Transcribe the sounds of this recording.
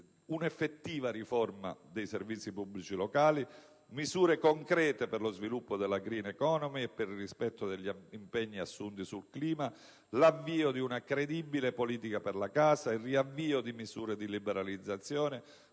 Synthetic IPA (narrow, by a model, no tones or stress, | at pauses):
unɛfːet̪ːiːvaɾiforma̰d̪ejservit̪sːipubːlit͡ʃilɔkaːli | mizuːɾekoŋkɾɛːt̪eperlozvilupːod̪elaɡɾiːnɛkɔːnɔmiɛpːerrispɛt̪ːod̪eʎːimpɛɲːiasːunt̪isulkliːma | lavːiːod̪iunakɾed̪ibilepoliːt̪ikaperlakaːsairiavːiːod̪imizuːɾed̪ilibɛɾalid̪zːat̪sːjɔːne